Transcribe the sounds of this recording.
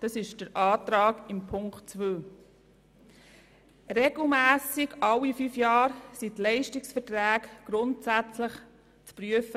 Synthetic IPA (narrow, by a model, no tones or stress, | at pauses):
d̥ɑsɪʃd̥əɾʔɑːtɾɑːɡɪmpʰʊŋktt͡sʋøː | rɛɡ̥l̩mæːsɪɡʔɑlːifyfjɑːɾsitlɛɪʃtɪksfəɾtɾæːkɡ̥ɾʊntsæt͡sləχ | t͡spɾyəfə